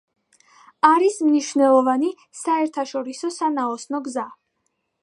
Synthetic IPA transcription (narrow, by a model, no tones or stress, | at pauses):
aɾismniʃvnɛlˠɔvani | saɛɾt̪ʰaʃɔɾisɔsanaɔsnɔɡza